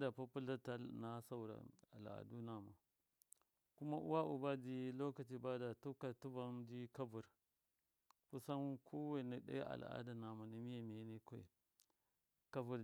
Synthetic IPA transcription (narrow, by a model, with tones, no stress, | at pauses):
da˨pa˦pu˦la˦ta˦na˦sa˦u˨ɾa̰˨a̰˨la̰˨du˦na˨ma̰˨ | ku˦ma˦ʔṵ˦wa˦ʔṵ˨ba˦di˦lo˦ka˨t͡ʃi˨ba˦da˨tu˦ka˨tu˦va˦ndi˦ka˦vu˨ɾ | ku˦sa˦n˦kʰo˦we˦˨ni˨ɗa̰˦ja˦ʔa̰˨l̰a̰˦da˨na˨ma˨ni˨mi˦ja˨me˨˦ne˦ko˦ḛ˨ | ka˦vu˨ɾ